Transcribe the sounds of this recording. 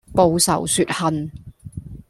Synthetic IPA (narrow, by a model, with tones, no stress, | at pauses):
po˨˧wsɐ̰˨˩wsyː˨t̚hɐ˨n